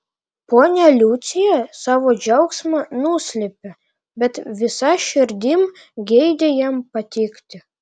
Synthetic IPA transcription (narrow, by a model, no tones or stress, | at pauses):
ponʲɑlʲut͡sʲijɑsɑʋod͡ʑɑwksmɑnusʲlʲepʲɘ̆ | bʲɛt̪ʲʋʲisɑʃɘrʲd̪ʲim | ɡʲejd̪ʲejɛmpɑt̪ʲekt̪ʲɘ̆